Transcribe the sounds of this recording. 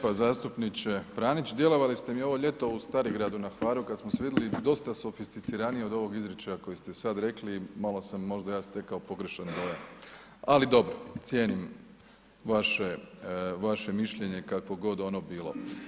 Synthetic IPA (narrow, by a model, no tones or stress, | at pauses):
pazaːst̪upnit͡ɕe̞pɾaːnit͡ɕd̪je̞lo̞ʋalist̪e̞mio̞ʋo̞ʎe̞t̪o̞ust̪aːɾiɡɾaːd̪unaxʋaːɾukad̪smoseʋid̪elid̪o̞st̪aso̞fist̪it̪siɾanijeod̪o̞ʋo̞ɡizɾet͡ɕajako̞jist̪e̞sad̪ɾe̞klimalo̞samːo̞ʒd̪ajaːst̪e̞kaopo̞ɡɾeʃand̪ojan | alid̪o̞bɾot̪sje̞ːnim | ʋaʃeʋaʃe̞miʃʎe̞ɲekakʋo̞ɡo̞d̪o̞nobiːlo̞̰